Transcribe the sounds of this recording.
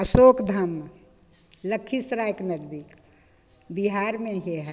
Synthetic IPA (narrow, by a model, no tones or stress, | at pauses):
əsoːkd̪ʱəm | ləkʰːisɾaːjknədd̪ik | biɦaːɾmẽɦeɦɛ